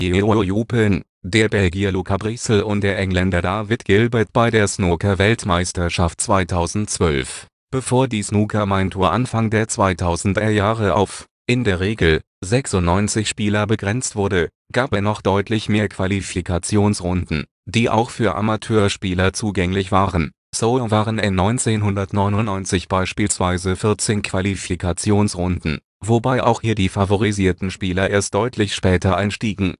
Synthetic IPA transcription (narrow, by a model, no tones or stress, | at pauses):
eojuːpən | deːɐbɛlɡiɐlukabʁisl̩ʊnt̚d̥eːɐʔɛŋlɛndɐdaːvɪtɡ̥ɪlbɛɐtb̥aɪdeːɐsnoːkɐvɛltmaɪstɐʃaft̚t͡sv̥aɪtʰaʊzn̩tt͡sv̥œlf | b̥əfoːɐdiːsnuːkʰɐmantʰoːɐʔanfaŋdeːɐt͡sv̥aɪtʰaʊzn̩dɐjaːʁəʔa̰ʊf | ʔɪndeːɐʁeːɡl̩ | zɛksʊntnɔʏnt͡sɪçʃpiːlɐbəɡʁɛnt͡stv̥ʊɐdə | ɡ̥aːpɛnɔχd̥ɔʏtʰlɪçmeːɐkʰv̥alifikʰat͡sjoːnsʁʊndn̩ | d̥iːʔa̰ʊxfyːɐʔa̰matʰøːɐʃpiːlɐt͡suːɡɛŋlɪçv̥aːʁən | soʊlvaːʁənɪnːɔʏnt͡seːnɦʊndɐtnɔʏnʊnɔʏnt͡sɪçb̥aɪʃpiːlsv̥aɪzəfɪɐt͡seːnkʰv̥alifikʰat͡sjoːnsʁʊndn̩ | vobaɪʔa̰ʊxhiːɐdiːfavoʁ̞iziːɐtn̩ʃpiːlɐʔeːɐst̚d̥ɔʏtʰlɪçʃpɛːtʰɐʔaɪnʃtiːɡŋ̩